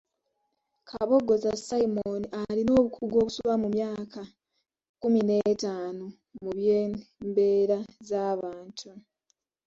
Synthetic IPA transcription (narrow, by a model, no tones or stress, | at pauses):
kʰaβo̞ɡo̞zasaimoniʔalino̞ːβukuɡo̞ːkusuβamumjaːka | kumine̞ːtaːno | muβjeːmbe̞ːɾazaːβaːntʰu